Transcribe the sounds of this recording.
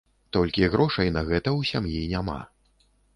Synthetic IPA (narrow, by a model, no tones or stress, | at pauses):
t̪ɔlʲkʲiɣɾɔʂɐjnɐɣɛt̪ɐwsʲamjinʲama̰